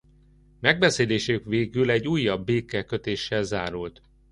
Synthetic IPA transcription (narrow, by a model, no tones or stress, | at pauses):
mɛɡ̚bɛseːleːʃøkʋeːɡylɛɟːuːjːɒbːeːkɛkøt̪eːʃːɛlzaːɾult̪